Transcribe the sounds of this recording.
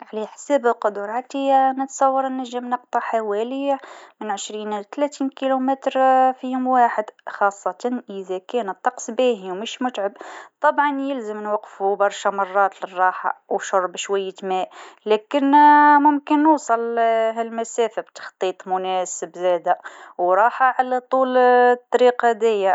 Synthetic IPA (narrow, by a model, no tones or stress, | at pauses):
ʕliħsæblqʊd̪ʊɾˤʕat̪inət̪sˤɑwːɑɾˤnːæʒːəmnɑq̚t̪ˤɑħawælimənʕəʃɾiːnlt̪læt̪iːnkilumæt̪ɾfihʊmwaːħəd̪xɑsˤːɑt̪ɑnʔəðækænət̪ˤːɑqsˤbiɦwmʊʃmʊt̪ʕabt̪ˤɑbʕɑnjəlzəmnwɑqːfubɑɾˤʃamɑrˤːɑːt̪lərˤːɑħɑ̰wʃʊɾˤbʃwæjːət̪mæʔlækənmʊmkənːuːsˤɑlɦælmæsæfabt̪ɑ̥xt̪ˤiːt̪ˤmʊnæsəbzæd̪æwɾˤɑħaʕalæt̪ˤult̪ˤːɑɾiqɑd̪æjːa